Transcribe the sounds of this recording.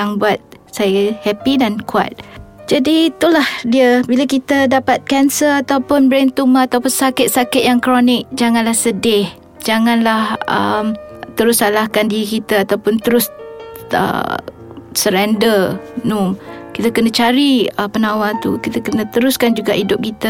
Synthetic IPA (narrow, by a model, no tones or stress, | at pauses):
jaŋbuat̪̚ | sajahɛpidankua̰t̪̚d͡ʒadiːt̪ulahdiəbilakit̪ədapat̪̚kɛnsəlat̪awpʊnbɾɛnt̪umaːt̪awpʊnsakɪt̪̚sakɪt̪̚jaŋkɾonɪk̚d͡ʒaŋãnlahsədɪh | d͡ʒaŋãnlahə̰mt̪əɾʊsalahkandiikit̪əat̪awpʊnt̪əɾʊs | ə̰ | səɾɛndərnumkit̪akənãt͡ʃaɾiəpənawat̪ṵkit̪əkənət̪əɾʊskand͡ʒuɡaʔidʊp̚kit̪ə